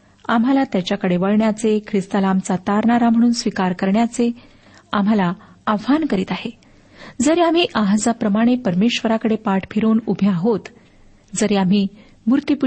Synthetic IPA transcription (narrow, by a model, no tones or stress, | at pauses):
amɦalat̪jat͡ɕjakəɽeʋəɭɳjat͡sekʰɾist̪alamt͡sat̪aɾɳaɾam̤əɽ̃uːnsʋikaɾkəɾɳjat͡se | am̤ala | aʋankəɾiːt̪aɦe | d͡zəɾeam̤iːʔaɦd͡zapɾəmaɽ̃epəɾmeɕʋəɾakəɽepaʈʰpʰiɾoːnubʱjaɦot̪ | d͡zəɾeam̤iː | muɾt̪ipu